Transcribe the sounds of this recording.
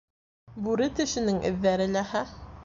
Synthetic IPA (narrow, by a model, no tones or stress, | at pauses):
bʉɾɘt̪ɘ̆ʃɘ̆nɘŋʔɘ̰̆ðːæɾɘlæhæ